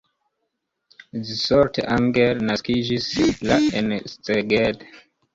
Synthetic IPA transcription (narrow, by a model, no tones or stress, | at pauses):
disɔɹtãŋɡeɹnaskid͡ʒislaensteɡed